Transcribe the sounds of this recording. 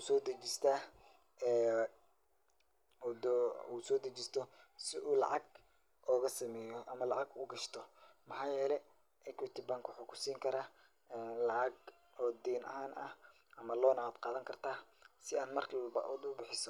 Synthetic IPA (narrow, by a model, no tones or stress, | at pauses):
uːsɔːd̪ɐt͡ʃɪst̪ʰaː | ɛː | d̪uːsɔːd̪ɐt͡ʃɪst̪ʰɔsɪʔuːlɑ̰ʕɑɡ | ʔɔːɣɐsɐmɛːjɔʔɐmɐlɑʕɑɡʊːɡɐʃt̪ʰɔmɑħɑːjɛːlɛ | ʔɛkʰwɪt̪ʰɪbaŋkwʊħuːkʰʊ̥siːŋkʰɐɾaː | ɛːlɑʕɑɡ | ɔːd̪iːnʔɐ̰ɦaːnʔɐh | ʔɐmɐlɔːnɐwɐd̪qɑːðɐŋkʰɐrt̪ʰaːsɪaːnmɐrkʰːb̰ʔd̪ʊbɪħɪsɔ